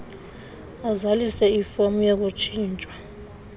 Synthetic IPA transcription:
azalisɛifomujak̬ʼut͡ʃʰiːnt͡ʃʼwa

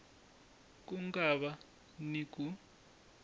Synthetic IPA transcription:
k̬ʼuŋɡaβa | nik̬ʼu

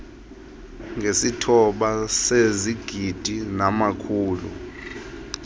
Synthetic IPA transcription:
ŋɡʱesitʰɔɓaseziɡ̥ʱid̥ʱinamakʰuːlṵ

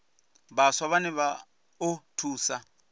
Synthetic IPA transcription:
baswaβanɛβa | otʰuːsa

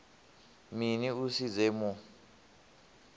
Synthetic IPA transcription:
miniusid͡zɛmɔ

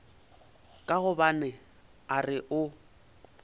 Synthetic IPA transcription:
kʼaɣʊbanɪ | arɪʔʊ

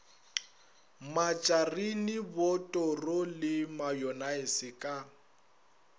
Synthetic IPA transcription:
mat͡ʃʼarinɪbɔtʼɔrɔlɪmajɔnaɪsɪkʼa

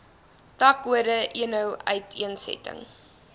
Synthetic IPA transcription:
tɐkuədəʔiənəwœɥtʰiənsɛ̰tə̰ŋ

